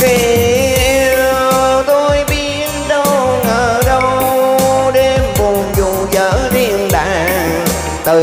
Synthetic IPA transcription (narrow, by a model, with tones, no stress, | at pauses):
xi˧˩˧ | t̪o˧jɓi˧˥ənɗə˧wŋəː˧˩ɗə˧w | ɗe˧˩mvu˨˩nzu˨˧˩zəː˨˦t̪i˧ənɗa̰ː˧˩ | t̪ɨ˨˩